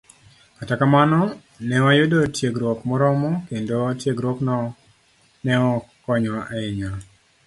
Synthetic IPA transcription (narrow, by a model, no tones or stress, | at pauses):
katakamanɔ | nɛwajʊdotjeɡɾokmɔɾɔmɔkendotjeɡɾɔknɔ | nɛɔkɔɲwaʔaɪɲa